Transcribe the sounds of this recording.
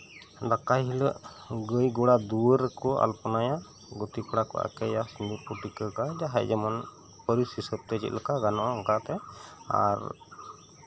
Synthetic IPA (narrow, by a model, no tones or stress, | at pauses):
d̪akaɦiləʔɡəjɡɔɽad̪uəɾɛkɔa̰lpɔnaja | ɡɔt̪ipɔɽakɔ̰ʔa̰kɛjasind̪upuɾʈikəɡad͡ʒaɦajd͡ʒɛmɔn | pəɾisisəb̚t̪ɛd͡ʒɛ̰t̪̚ləkaɡanɔʔaɔŋkat̪ɛa̰ɾ